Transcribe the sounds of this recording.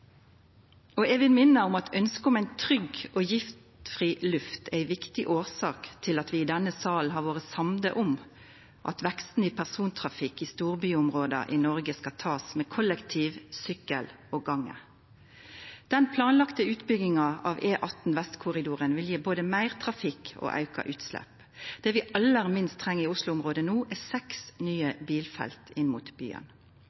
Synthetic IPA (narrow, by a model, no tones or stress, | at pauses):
ɔɛʋɪlmɪnːəʊmɑt̪œnskəʊmæɪnt̪ʰʁʏɡɔːjɪft̪fʁilʉft̪ʰæɪʋɪkt̪ɪʔoːsɑːkt̪ʰɪlɑt̪ʋɪːd̪ɛnːəsɑːln̩ɦɑʁʋoːʁəsɑmd̪ə̰ʔʊm | ʔɑ̰t̪ʋɛkst̪n̩iːpʰæʁsuːnt̪ʰʁɑfɪkːɪst̪uːʁbyːʊmʁoːd̪ɑ̰ʔɪnɔʁɡəskɑt̪ʰɑːsmeːkʰɔlɛkt̪ʰiːʋsʏkːəl | ɔɡɑŋːə̰ | d̪̥ɛnpʰlɑːnlɑkt̪əʉːt̪bʏɡɪŋɑʔɑʋeːʔɑt̪n̩ʋɛst̪kʰʊʁɪd̪uːʁənʋɪljiːboːd̪əmæɪʁt̪ʰʁɑfɪko̰ːʔɑ̰ʉkɑ̰ʔʉːt̪slɛ̰p | d̪̥ɛʋɪʔɑlːəʁmɪnst̪ʰːʁɛŋːəɪʊslʊʊmʁoːd̪ənuːʔɛsɛksnyːəbiːlfɛ̰lt̪ʰɪnmut̪by̰ːə̰n